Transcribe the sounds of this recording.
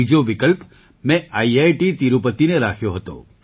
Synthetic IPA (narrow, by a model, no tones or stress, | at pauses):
id͡ʒoʋɪkəlp | mɛ̃ʔaiajʈit̪iɾupət̪ineɾakʰjoɦət̪o̰